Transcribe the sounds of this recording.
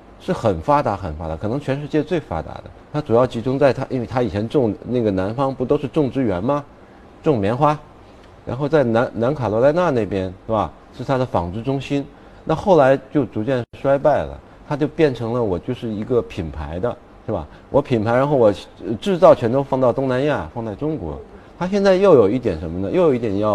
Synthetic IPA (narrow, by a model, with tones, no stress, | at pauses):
ʂɻ̩˥˩xə˨˩nfa˥t̪a˧˥xə˨˩nfa̰˧˥d̪a˧˥kʰɤ˨˩nɤ˧˥ŋt͡ɕʰɥɛ˧˥nʂ̬ɻ̩˥˧t͡ɕjɛ˥˧t͡swe˥˩ɪfa̰˥t̪a̰˧˥d̪ə̰˧t̪ʰa˥ʈ͡ʂu˨˩jɑ˥˩ʊt͡ɕi˧˥ʈ͡ʂʊ˥ŋt͡sa˥˩ɪt̪ʰa˥ʔḭ˥nwe˥˩ɪa˥i˨˩t͡ɕʰjɛ˧˥nʈ͡ʂʊ˥˧ŋna˥˩ɡə˩na˧˥nfɑ˥ŋpu˧˥t̪o˥ʊʂɻ̩˥˧ʈ͡ʂʊ˥˩ŋʈ͡ʂɻ̩˥˧ɥɛ˧˥nmɐ˧ | ʈ͡ʂʊ˥˩ŋmjɛ˧˥nxwa˥ | ɻa̰˧˥nxo˥˧ʊt͡sa˥˩ɪna˧˥nna˧˥nkʰa˨˩lwɔ˧˥la˥ɪna˥˧ne˥˩ɪpjɛ˥nʂba˨˩ | ʂɻ̩˥˩t̪ʰa˥d̪ə˨fɑ˨˩ŋt͡sɹ̩˥˧ʈ͡ʂʊ˥ŋɕi˥n | na˥˧xo˥˩ʊla˧˥ɪt͡ɕjo˥˩ʊt͡su˧˥t͡ɕjɛ˥˩n˥ʂwa˥ɪpa˥˩ɪlə̰˩ | t̪ʰa˥t͡ɕjo˥˧ʊpjɛ˥˩nʈ͡ʂʰɤ˧˥ŋlə˧wɔ˨˩t͡ɕjo˥˧ʊʂɻ̩˥˩i˧˥ɡə˧pʰi˨˩npʰa̰˧˥ɪd̪ə˧ | ʂe˥˩ba̰˨˩ | wʔɔ˧˥pʰi˨˩npʰa˧˥ɻa˧˥nxo˥˩ʊwɔ˨˩˧ʈ͡ʂɻ̩˥˧t͡sɑ˥˩ʊt͡ɕʰɥɛ˧˥nt̪ʰo˥ʊfɑ˥˧ŋt̪ɑ˥˩ʊt̪ʊ˥ŋna˧˥nja˥˩fɑ˥˧ŋt͡sa˥˩ɪʈ͡ʂʊ˥ŋkwɔ̰˧˥t̪ʰa˥ɕjɛ˥˧nt͡sa˥˧ɪjo˥˩ʊjo˨˩ʊi˥˩t̪jɛ˨˩nʂə˧˥mə˧nə˧jo˥˩ʊjʊi˥˩t̪jɛ˨˩njɑ˥˩ʊ